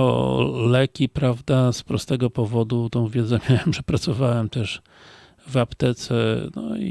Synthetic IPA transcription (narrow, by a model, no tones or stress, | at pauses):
ɔ̰lɛkʲipɾavd̪aspɾɔ̰st̪ɛɡɔpɔvɔd̪ut̪ɔ̃w̃vʲjɛd̪zamjawɛmʐɛpɾat̪sɔvawɛmt̪ɛʂ | vapt̪ɛt̪sɛnɔ̰ḭ